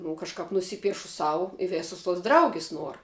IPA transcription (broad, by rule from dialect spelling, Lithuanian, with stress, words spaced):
nʊ kɐʃˈkɐp nʊˈsʲiːpʲiɛʃʊ ˈsɐʊ ɪ ˈʋʲeːsʊs tuɔs ˈdrɐʊɡʲɪs ˈnuɔr